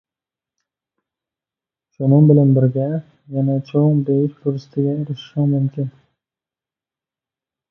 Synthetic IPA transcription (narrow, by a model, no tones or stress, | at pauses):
ʃʊnɪŋbɪlanbɪɾɡʲa | janat͡ʃʰoŋbejɪʃbʊɾɪst̪ʰɪɡʲaeɾɪʃʃamʊmkʲʰɪn